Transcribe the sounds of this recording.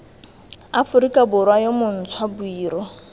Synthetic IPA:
afʊɾikʼabʊɾwajomʊn̩t͡sʰwabuiːɾɔ

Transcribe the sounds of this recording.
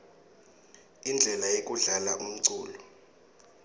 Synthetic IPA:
ind͡ɮʱɛlajek̬ʼuɮalaʔum̩ǀuːlɔ

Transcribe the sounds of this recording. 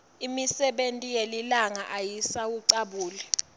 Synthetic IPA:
imisɛɓentʼijelilaŋaʔajisawuǀaɓuːlɛ

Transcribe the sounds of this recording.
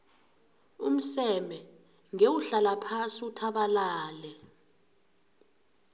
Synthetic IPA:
um̩sɛmɛ | ŋewuɬalapʰasiutʰaɓalaːlɛ

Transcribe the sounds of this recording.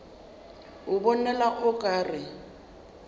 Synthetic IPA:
ʊbɔnɛlaʔʊkʼaːrɪ

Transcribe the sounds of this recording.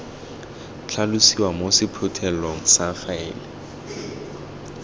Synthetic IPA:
t͡ɬʰalusiwamosɪpʰʊtʰɛlɔŋ̩saxaɛːlɛ

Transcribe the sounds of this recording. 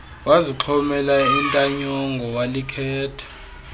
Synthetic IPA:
waziǁʰɔmɛlaintʼaɲɔŋɡʱɔwalikʰɛːtʰḁ

